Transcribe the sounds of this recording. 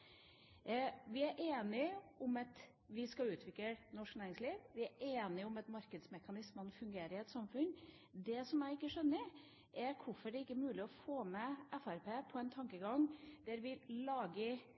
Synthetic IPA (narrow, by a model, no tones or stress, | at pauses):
ʋɪæɾʔeːnɪʊmɑt̪ | ʋɪskɑʉːt̪ʰʋɪk̪ənɔʂknæːɾɪŋsliːʋʋɪæɾʔeːnɪʊmɑt̪mɑɾkəd̪smɛkɑnɪsmənfʉŋɡeːɾəɪɛt̪sɑmfʉn | d̪ɛsɔmæɪɪkːəʂœnːəɾ | ʔæɾkʰʊfɔɖɛɪkːəɾmʉːlɪɔfoːmɛʔɛfæɾpʰeːpʰɔɛnt̪ʰɑŋkəɡɑŋd̪̥æɾʋɪlɑːɡə